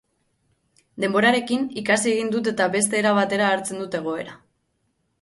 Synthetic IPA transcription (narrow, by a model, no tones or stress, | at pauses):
d̪e̞mbo̞ɾaɾe̞kinikasie̞ɣind̪ut̪e̞t̪aβe̞st̪e̞ːɾaβat̪e̞ɾaːɾt͡se̞nd̪ut̪e̞ɣ̞o̞e̞̰ɾa